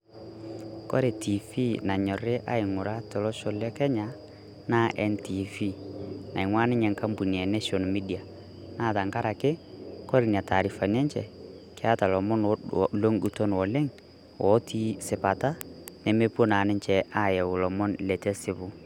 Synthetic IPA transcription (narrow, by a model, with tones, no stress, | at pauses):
kɔ̰˦ɾe˨ti˨fi˦na˨ɲɔ˨ɾe˦ʔa̰˦ɪ˨ŋʊ˨ɾa˦tɔ˨lɔ˦ʃɔ˨lɛ˦kɛ˦ɲa˨ | na˦ʔɛ˦nti˨fi˦˨na˨i˨ŋwa˦nɪ˦ɲɛ˨ŋka˦mbu˨n˨a˨nɛ˦ʃɔ˨nmi˦di˨a˨ | na˦˨ta˨ŋka˦ɾa˨kɪ˦kɔ˦ɾe˨n˨a˨ta˨ɾi˨fa˨n˦ɛ˦nt͡ʃɛ̰˨ | kɪ˦a˦ta˨lɔ˨mɔ˦nlo˦ŋɡu˨tɔ˦nwɔ˨lɛ˦ŋ | wɔ˨˦tʰi˦sɪ˨pa˨ta˦nɛ˨me˦pwo˦na˨nɪ˦ɲt͡ʃɛ˨a˦˨jɛ˨ʊ˨lɔ˨mɔ˦nlɛ˨tɛ˦sɪ˨βʊ˦